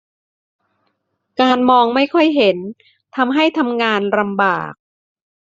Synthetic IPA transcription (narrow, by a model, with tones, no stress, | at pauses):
kaː˧nmɔː˧ŋma˥˩jkʰɔ˥˩jɦe˩˦n | t̪ʰa˧mɦa˥˩jt̪ʰa˧mŋaː˧nɾa˧mba̰ː˨˩k̚